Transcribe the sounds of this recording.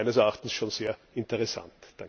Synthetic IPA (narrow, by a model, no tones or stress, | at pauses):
ɪnəsɛɐaxt̪n̩sʃoːnz̥eːɐ | ɪntəʁɛsa̰ntd̥aŋ